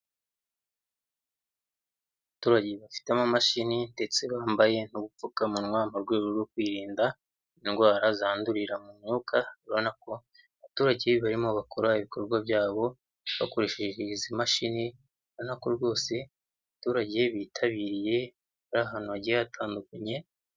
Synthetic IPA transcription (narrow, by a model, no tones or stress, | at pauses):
βatuːɾaɟe̞βafi̥teamamaʃinindet͡seβaːmbaje̞n̥uβufukamunwaːmaɾɡweːɾoɾwokwiːɾiːnda | inɡwaːɾazaːnduɾiɾamumɲuːkʰaβiɾo̞nako̞ | βatuːɾaɟe̞βaɾimoβakʰoɾaiβiko̞ɾɡwaβjaːβo̞ | βa̰ko̞ɾeʃeʒeizimaʃini | βonako̞ɾɡo̞ːse̞ | βatuːɾaɟe̞βiːtʰaβiːɾije̞ | βaɾaːɦaːn̥uβaɟiaatʰaːndukaɲe̞